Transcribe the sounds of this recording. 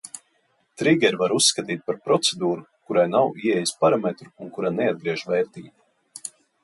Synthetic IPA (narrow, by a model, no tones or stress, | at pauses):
t̪ɾiɡʲɛɾvaɾusːkat̪iːt̪̚paɾpɾɔt̪sed̪uːɾukuɾajnawiɛjispaɾamet̪ɾuunkuɾanɛad̪̚ɡɾiɛʒvɛːɾt̪iːt̪